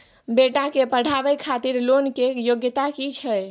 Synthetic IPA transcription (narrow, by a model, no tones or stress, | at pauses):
beʈakepəɽ̤ʱabəjkʰat̪iɾlonkejoɡjət̪akit͡ʃʰəj